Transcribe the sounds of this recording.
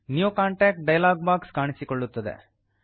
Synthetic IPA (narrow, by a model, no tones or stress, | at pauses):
njukaːɳʈeːk̚ʈ̚ɖɐjlaːɡ̚baːkskaːɳisikoɭːut̪ːɐd̪ḛ